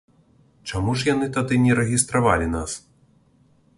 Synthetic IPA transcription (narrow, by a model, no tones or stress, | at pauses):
t͡ʂamuʐjanɨt̪ad̪ɨnʲɛɾɛɣʲist̪ɾavalʲinas